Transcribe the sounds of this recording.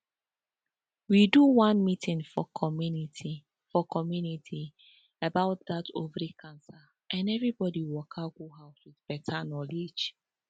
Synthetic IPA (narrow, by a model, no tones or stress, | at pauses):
widuwãnmitʰɪ̃ŋfɔkʰɔmniti | fɔkɔmjunitʰi | əbaʊt̚ðatovɾikʰãnsa | ʔãnɛvɹibɔdiwɔkʰaɡuɦaʊswiðb̥ɛtʰanɔlid͡ʒ